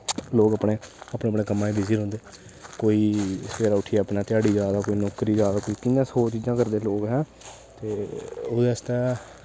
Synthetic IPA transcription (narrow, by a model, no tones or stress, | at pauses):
loːɡəpɳeːapneːəpɳeːkəmːãːĩbɪziːɾɦʊ̃nd̪eː | koːiːsəpʰeːɾaːʊʈʰijaːəpnaːt̪ɪjaːɽiːzjaːd̪aːkoːiːnɔːkɾiːzjaːd̪aːkoːiːkɪjãːsoːt͡ʃiːd͡ʒãːkəɾd̪eːloːɡɦɛ̃ː | t̪eːod̪eːst̪ɛː